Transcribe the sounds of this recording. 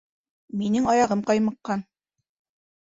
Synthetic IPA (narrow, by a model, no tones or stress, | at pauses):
minɘŋɑjɑʁɤmqɑjmɤ̆qːɑn